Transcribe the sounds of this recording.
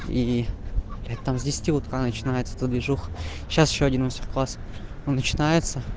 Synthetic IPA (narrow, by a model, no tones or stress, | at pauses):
i | lʲɛt̪t̪ːamzʲdʲɪsʲɪ̥tʲiʊt̪kanət͡ɕɪnajɪt̪sə̥t̪ɨd̪vʲɪʐuxɕːasɪɕːoɐdʲinvosʲɪxʲklˠas | onːət͡ɕɪnajɪt̪sə